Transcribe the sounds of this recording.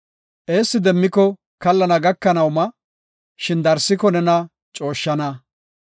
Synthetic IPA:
ʔe̞ːsːɪd̪ɛmːɪkɔ | kɐlːɐnɐɡɐkːɐnɐwmɐ | ʃɪnd̪ɐɾsːɪkɔnɛnɐ | t͡ʃʼo̞ːʃːɐnɐ

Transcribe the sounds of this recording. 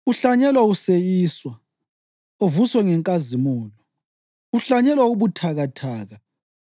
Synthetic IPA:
uɬaɲɛlwausejiːswa | ovuswɛŋɛŋkʼazimɔːlɔ | uɬaɲɛlwauβutʰaɣatʰaːɣa

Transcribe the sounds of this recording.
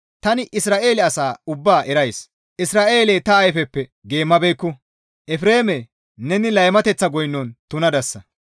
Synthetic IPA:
t̪ɐnɪʔɪsɾaːʔe̞ːlɛɐsaːʊbːaːʔɛɾɐjs | ʔɪsɾaːʔe̞ːlejt̪ɐːjfɛpːɛɡe̞ːmːɐbɛjkːʊ | ʔɛfɾe̞ːmɛ | nɛnɪlɐjmɐt̪ɛt͡sːɐɡɔjnːɔnt̪ʊnɐd̪ɐsːɐ

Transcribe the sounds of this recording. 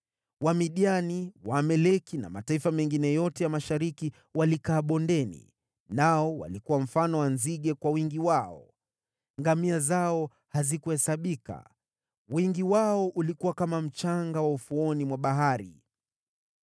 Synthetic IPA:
wamiɗianiwamɛlɛkina̰mataifamɛŋɡinɛjɔtɛjamaʃaɾiki | walikaːɓɔndɛnḭ | naɔwa̰likuwam̩fanɔwanziɠɛkwawiŋɡiwaɔ̰ | ŋɡamiazaɔ | hazikuhɛsaɓika̰ | wiŋɡiwaɔʔulikuwakamam̩t͡ʃaŋɡawaufuɔnimwaɓaɦaɾḭ

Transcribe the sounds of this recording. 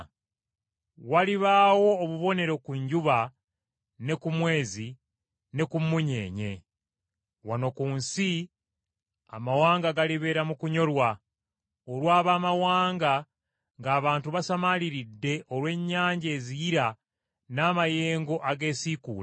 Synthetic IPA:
waliβaːwo̞ːβuβo̞ne̞ɾo̞kuɲɟuβa | ne̞kumwe̞ːzi | ne̞kumːuɲe̞̰ːɲe̞̰ | wano̞kuːnsi | a̰mawaːŋɡaɡaliβe̞ːɾamukuɲo̞lwa | olwaːβaːmawaːŋɡa | ŋɡaːβaːntuβasamaliɾidːe̞ʔolwe̞ːɲːaːɲɟeːzijiɾa | naːmaje̞ːŋɡo̞ʔaɡe̞ːsikṵːla

